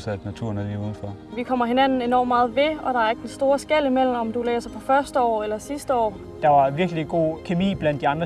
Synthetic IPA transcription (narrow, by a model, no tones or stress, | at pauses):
sæd̥næt͡sʰṵɐnædiuːðˠn̩fɒʋikʰɒ̽m̰ɐɦe̝næn̰n̩e̝nɒ̰ːmːmɑ̈ːð̞̩ˠʋe̝ɒ̽ɾ̥ɑ̈æɐeɡ̥əd̥ensd̥o̝ːɐsɡ̥el̰imel̰m̩ɒ̽md̥ulɛ̰ːsɐpʰɒ̽fɶɐsd̥əɒ̰ːelɐsisd̥əɒ̰ː | d̥ɑ̈ʋɑ̈ʋiɐɡ̥əliɡ̥o̝̰ːkʰe̝mḭːb̥lænd̥iɑ̈nd̥ʁɐ